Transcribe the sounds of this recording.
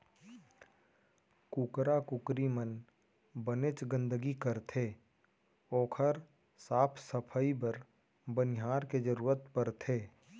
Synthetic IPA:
kukɾakʊkɾimən | bənet͡ʃɡə̃nd̪əɡikəɾt̪ʰeː | oːkʰəɾ | saːpʰsəpʰəibəɾ | bənɪɦaːɾked͡ʒəɾuːɾət̪pəɾt̪ʰeː

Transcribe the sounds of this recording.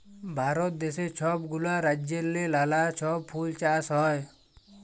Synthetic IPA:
bʱaːɾɔt̪̚d̪eset͡ʃʰɔb̚ɡulaɾad͡ʒjeɾlelalat͡ʃʰɔppʰult͡ʃaːsɦɔj

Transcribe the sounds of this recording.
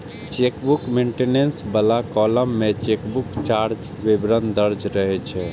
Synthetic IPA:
t͡ʃekbukmeɳʈenensbəlakɔləmːet͡ʃekbukt͡ʃaɾd͡ʒ | ʋebɾənd̪əɾd͡ʒɾəɦɛt͡ʃʰɛ

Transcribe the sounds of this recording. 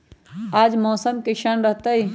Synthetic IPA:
aːd͡ʒmoːsəmkɪʃanɾəɦt̪ai

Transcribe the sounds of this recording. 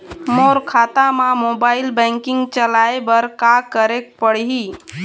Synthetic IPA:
moɾkʰat̪amamobailbɛ̃ŋkɪŋɡt͡ʃəlaebəɾkakəɾek̚pəɽ̤i

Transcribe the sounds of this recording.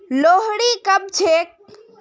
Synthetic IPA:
loɦɽikəb̚t͡ʃʰek̚

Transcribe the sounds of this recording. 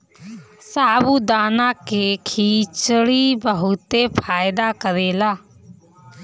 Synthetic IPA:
saːbuːd̪aːnãːkeːkʰiːt͡ʃɽiːbəɦʊt̪eːpʰaːɪd̪aːkəɾeːlaː

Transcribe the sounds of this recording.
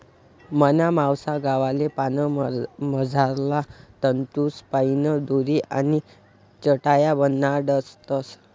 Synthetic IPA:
mənamawsaɡaʋalepanəməd͡zʱaɾlat̪ənt̪uspajinəd̪uɾiʔa̰ni | t͡ɕəʈajabənːaɖəst̪əs

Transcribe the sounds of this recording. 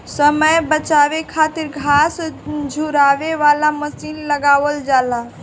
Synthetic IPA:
səməjbət͡ʃaːʋekʰaːt̪ɪɾɡʱasd͡ʒʱuɾaʋeʋalaməsiːnləɡaːʋəld͡ʒaːla

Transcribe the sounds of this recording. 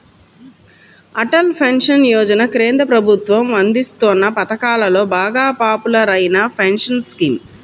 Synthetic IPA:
ɐʈɐlpʰenʂɐnjɔːd͡ʒɐnɐkɾeːnd̪ɐpɾɐbʱut̪ʋɐmʋɐnd̪ist̪onːɐpɐt̪ɐkaːlɐlo̞ːbaːɡaːpaːpulɐɾɐjinɐpʰenʂɐnskim

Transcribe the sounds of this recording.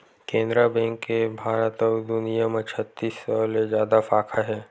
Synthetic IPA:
kẽːnd̪ɾəbɛ̃ŋkːebʱaːɾət̪ɔːd̪ʊnijamẽt͡ʃʰət̪ːiːsɔːlezjaːd̪afaːkʰaɦɛː

